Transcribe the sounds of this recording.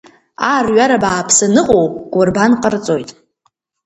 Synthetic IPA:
arɥaɾabaːpʰsɨnɨqʼowpʼɡ̥ʷʼʊrbanqʼərt͡sʼo̞jtʼ

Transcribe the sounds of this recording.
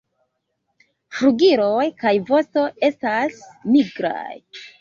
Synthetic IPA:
fɾuɡiɾo̞jkajvo̞sto̞e̞stasmiɡɾa̰j

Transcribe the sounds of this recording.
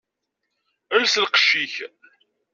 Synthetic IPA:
əlslqə̥ʃːiç

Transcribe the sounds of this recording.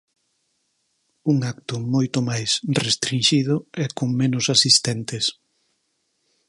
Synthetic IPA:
uŋak̚t̪ʊmojt̪ʊmajsrest̪ɾinʃiðʊɛkoŋmenʊsasist̪ɛnt̪es

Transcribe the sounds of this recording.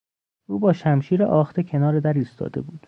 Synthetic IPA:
ʔuːbɒːʃæmʃiːɾeʔɒːxt̪ʰecʰe̞nɒːɾed̪æɾiːst̪ʰɒ̰ːd̪e̞̰buːd̪̥

